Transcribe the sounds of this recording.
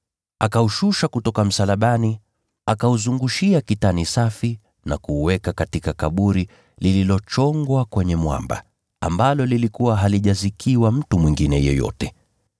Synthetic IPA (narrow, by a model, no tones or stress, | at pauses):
akauʃuʃakutɔkam̩salaɓani | akauzuŋɡuʃiakitanisafi | nakuːwɛkakatikakaɓuɾi | lililɔt͡ʃɔŋɡwakwɛɲɛmwa̰mba̰ | a̰mbalɔlilikuwaɦaliʄazikʰiwam̩tumwiŋɡinɛjɔ̰jɔ̰tɛ